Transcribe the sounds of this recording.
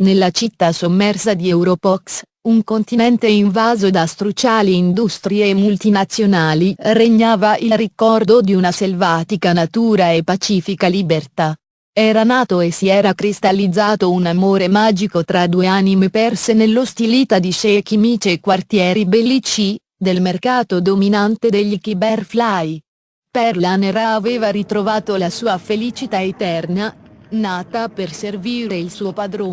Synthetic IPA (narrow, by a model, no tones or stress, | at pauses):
nelːat͡ʃit̪ːasomːɛrsad̪iɛwɾopɔks | uŋkont̪inɛnt̪eiɱvaːzod̪ast̪ɾut͡ʃaːliːnd̪ust̪ɾieːmːult̪inat̪sjonaːlireɲːaːvaʔilrikɔrd̪od̪iunaselvaːt̪ikanat̪uːɾaepːat͡ʃiːfikalibert̪a | ɛːɾanaːt̪oesːiɛːɾakɾist̪alːid̪zːaːt̪ounamoːɾemaːd͡ʒikot̪ɾad̪ueanimepɛrsenelːost̪iliːt̪ad̪iʃek̟imiːt͡ʃeːkːwart̪jɛːɾibelːit͡ʃi | d̪elmerkaːt̪od̪ominant̪ed̪eʎːikibɛrflaj | pɛrlaneraːveːvaɾit̪ɾovaːt̪olasuːafelit͡ʃit̪aet̪ɛrnanaːt̪aperserviːɾɾeilsuːopad̪ɾo